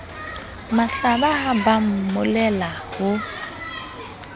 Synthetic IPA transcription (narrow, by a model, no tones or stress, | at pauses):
maɬabaɦabamʊmʊlɛlahʊ